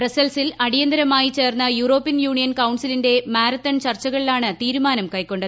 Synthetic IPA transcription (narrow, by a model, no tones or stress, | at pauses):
presɐlsilɐɽijɐnd̪ɐɾɐmaːjit͡ɕe̞ːrnːɐjuːro̞ːpːijɐnjuːɳijɐnkɐwɳsilinde̞maːɾɐt̪ːɐnt͡ɕɐrt͡ɕːɐɣɐɭilaːɳɨt̪iːɾumaːnɐmkɐjkːo̞ɳɖɨð